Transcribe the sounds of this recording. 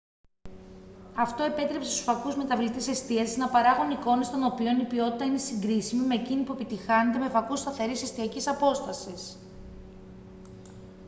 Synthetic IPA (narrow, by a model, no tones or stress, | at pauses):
ɐft̪o̞e̞pe̞t̪ɾe̞pse̞st̪u̥sfɐkuzme̞t̪ɐvlit̪ise̞st̪iɐsiznɐpɐɾɐɣuniko̞ne̞st̪o̞no̞pio̞nipio̞t̪it̪ɐine̞siŋɡɾisimime̞ːcinipue̞pit̪ixɐnet̪e̞mefɐkust̪ɐθe̞ɾise̞st̪iɐcisɐpo̞st̪ɐsis